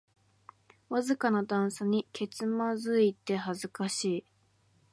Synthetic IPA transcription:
βazɨkanad̪ãɰ̃saɲ̟ikʰe̞t͡sɨmazɨit̪e̞hazɨkaɕiː

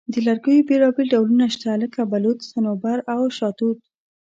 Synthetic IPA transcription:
d̪əlaɾɡəjobelɑbelɖawlunaʃt̪aləkabalut̪sanobaɾawʃɑt̪ut̪̚

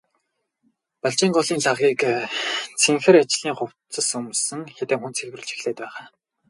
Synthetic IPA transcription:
paɬt͡ɕiːŋɢʊɮiːnɮaʁiːk | t͡sʰeŋxɘ̆rat͡ɕɪ̆ɮiːŋχʊw̥t͡sə̆sɵmsɘ̆ŋxet̪eːŋxunt͡sʰexwrɘ̆ɮt͡ɕʰi̥xɮeːt̪pæːʁaː

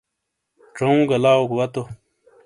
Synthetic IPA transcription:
ʈ͡ʂoũːɡɐlaːokwɐt̪o

